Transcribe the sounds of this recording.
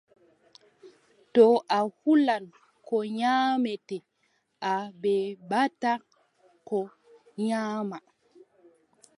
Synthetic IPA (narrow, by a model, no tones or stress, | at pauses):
tɔʔahulan | kɔɲaːmɛtɛ | ʔabɛbata | kɔ | ɲaːma